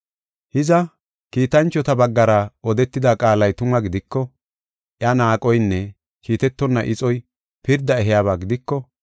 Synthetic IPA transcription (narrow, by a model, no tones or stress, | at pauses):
hɪzɐ | kiːt̪ɐnt͡ʃːɔt̪ɐbɐɡːɐɾɐʔɔd̪ɛt̪ːɪd̪aːkʼaːlɐjt̪ʊmɐɡɪd̪ɪkːɔ | ʔjɐnaːkʼɔjnːɛ | kiːt̪ɛt̪ːɔnːɐʔɪt͡sʼɔj | pɪɾd̪ːɐɛɦɪjaːβaːɡɪd̪ɪkːɔ